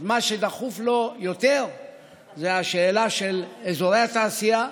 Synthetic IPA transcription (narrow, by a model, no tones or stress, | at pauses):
maʃed̪aχuflo̞jo̞t̪eʁ | zeaʃeːlaʃelezoʁejhat̪aːsija